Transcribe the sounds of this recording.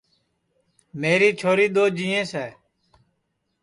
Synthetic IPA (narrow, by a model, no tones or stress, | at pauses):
meːɾiːt͡ʃʰoːɾiːɗ̪oːd͡ʒiːẽːsɛː